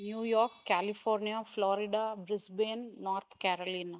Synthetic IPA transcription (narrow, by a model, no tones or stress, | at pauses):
njuːjoːkkːaːlifoːɾnijafloːɾiɖabɾisbeːnnoːɾt̪ʰkaːɾolina